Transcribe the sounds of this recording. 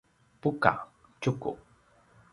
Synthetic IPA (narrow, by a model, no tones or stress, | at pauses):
puka̰ | t͡ʃʊkṵ